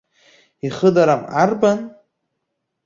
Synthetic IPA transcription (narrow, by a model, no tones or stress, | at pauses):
iχədaɾamarban